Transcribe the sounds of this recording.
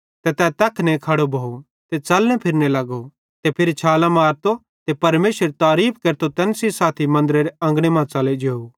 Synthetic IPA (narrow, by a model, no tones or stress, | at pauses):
t̪ɛt̪ɛt̪ɐkʰnɛ̃kʰɐɽobʱoːo | t̪et͡ʃɐlnɛ̃pʰɪɾnelɐɡo | t̪epʰɪɾit͡ʃʰaːlãmaːɾt̪o | t̪epɐɾmeːsɾt̪aːɾiːpʰkeːɾt̪ot̪ɛnsisaːt̪ʰimɐ̃nd̪ɾeɾeɐ̃ŋɡɽ̃emãːt͡saled͡ʒeːo